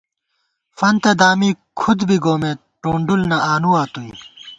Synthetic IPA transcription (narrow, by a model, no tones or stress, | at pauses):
fɐnt̪ɐd̪aːmikʰud̪biɡoːme | ʈõːɳɖulnɐʔaːnuaːt̪ui